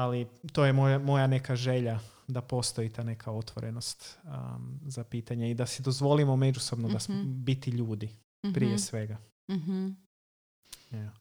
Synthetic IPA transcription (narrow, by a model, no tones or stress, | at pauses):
alit̪o̞jemojamo̞jane̞kaʒe̞ʎa | d̪apo̞st̪o̞it̪aːne̞kʰao̞t̪ʋoɾeno̞st̪ | zapiːt̪aɲeid̪asid̪o̞zʋo̞limo̞me̞d͡ʒuso̞bnod̪asmobit̪iʎuːd̪i | pɾijesʋe̞ɡa | ja